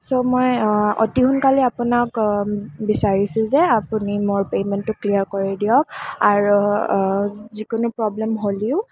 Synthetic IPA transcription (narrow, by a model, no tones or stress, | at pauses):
somojo̰tihʊnkaliapʊnak | bisaɹisʊ̃zɛapunimʊɹpemɛntːʊkliaɹkoɹidiɔkaɹu | zikʊnupɹɔblɛmɦoliʊ